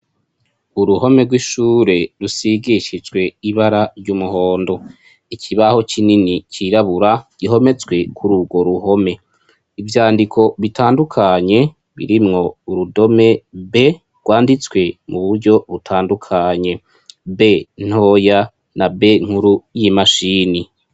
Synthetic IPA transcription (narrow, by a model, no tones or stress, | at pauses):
uɾuɦo̞me̞ɡwiʃuɾe̞ɾusiɡiʃid͡ʒɡwe̞iβaɾaɾɟumuɦo̞ːndo̞ | icʰiβaho̞t͡ʃininiciɾaβuɾaɡ̥iɦo̞me̞t͡swe̞kʰuɾuɡo̞ɾuɦo̞me̞ | ivjaːndikʰo̞βitʰaːndukʰaɲe̞ | βḭɾimŋo̞uɾudo̞me̞be̞ | ɡ̥waːndit͡swe̞muβuɾɟo̞βutʰaːndukʰaɲe̞ | be̞n̥ho̞ja | nabe̞ŋ̥huɾujimaʃiːni